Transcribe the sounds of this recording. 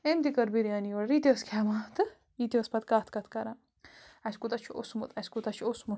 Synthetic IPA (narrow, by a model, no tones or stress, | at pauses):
emt̪ikɐɾbiɾijaːnijoɽɾit̪ʲiɐskʲʰaːmat̪ɨ | it̪ʲiəspɐt̪̚kaːt̪ʰkɐt̪ʰkɐɾa | ɐskut̪ɐt͡ʃʰio̰smut̪ɐsʲkut̪ɐt͡ʃʰosmu